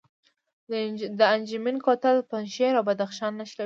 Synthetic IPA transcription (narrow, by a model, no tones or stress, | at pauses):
d̪əand͡ʒaminkot̪əlpanʃeɾawbad̪axʃɑnːaʃla